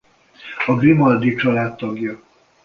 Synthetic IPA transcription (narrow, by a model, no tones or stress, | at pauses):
ɒɡrimɒld̪it͡ʃɒlaːt̪ːɒɡjɒ